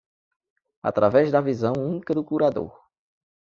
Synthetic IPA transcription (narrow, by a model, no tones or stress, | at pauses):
a̰t̪ɾavɛzd̪ɐvizɐ̃w̃ũnikɐd̪ʊkuɾad̪o̰ɾ